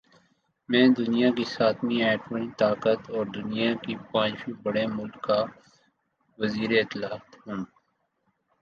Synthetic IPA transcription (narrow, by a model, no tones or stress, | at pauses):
mɛ̃ːd̪ʊnijakisaːt̪miɛːʈənit̪aːkət̪ɔːɾd̪ʊnijakipãːd͡ʒʃibɐɽemʊlkːa | ʋɐziːɾeɪt̪ɪlaːt̪ɦũː